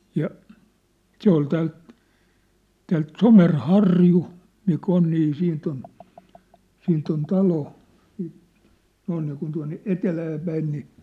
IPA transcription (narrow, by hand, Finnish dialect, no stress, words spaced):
jɑ se ol tæːlt tæːlt somerhɑrju mik on niː siːnt on siːnt on tɑlo siːt noin niːkun tuɑ̝nːe etelæːpæin ni